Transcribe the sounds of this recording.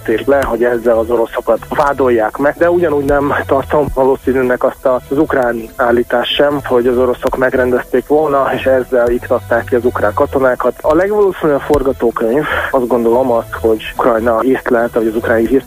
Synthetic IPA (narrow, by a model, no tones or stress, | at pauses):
t̪eːrt̪lɛɦo̞ɟɛzːɛlɒzo̞ɾo̞so̞kɒt̪vaːd̪o̞jːaːkmɛɡd̪ɛuɟɒnuːɟnɛmt̪ɒrt̪o̞mvɒloːsiːnyːnɛkɒst̪ɒzukraːniaːlːiːt̪aːʃʃɛmho̞ɟɒzo̞ɾo̞so̞kmɛɡɾɛnd̪ɛst̪eːkʋo̞lnɒeːʃɛzːɛlikt̪ɒt̪ːaːkːiɒzukraːŋkɒt̪o̞naːkɒt̪ɒlɛɡʋɒloːsinyɒpfo̞rɡɒt̪oːkøɲvɒzɡo̞nd̪o̞lomɒst̪ho̞ɟkrɒjnɒirt̪lɛɦɛt̪ɔɟɒzukraːniɦiːrt̪